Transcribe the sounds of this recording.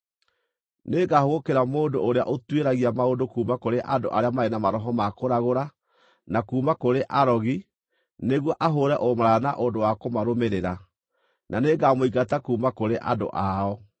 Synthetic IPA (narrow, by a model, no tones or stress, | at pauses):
neɡahoɣokeɾamoːndoʔːɾeaʔotweɾaɣiamaodokuːmakoɾeʔando̰ʔaɾeamaɛnamaɾɔɦɔmakoɾaɣoɾa | nakuːmakoɾeʔaɾɔɣi | neɣwɔʔaɦoɾɛʔomaɾaanaʔondowakomaɾomeɾeɾa | nʔaneɡamoiɡatakuːmakoɾeʔa̰do̰ʔaɔ